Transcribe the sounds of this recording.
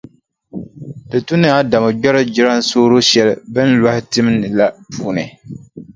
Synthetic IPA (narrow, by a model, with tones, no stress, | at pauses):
dɨ˨tu˦n˦a˦da˨mɨ˨d͡ʒɔ˦ɾɨ˦d͡ʒɪ˦ɾa˦n̩˦soː˦ɾo˦ʃɛ˨lɨ˨bɨ˦n˦lwa˦hɪ˦tɨ˦m˦nɨ˨la˦puː˦nɨ˨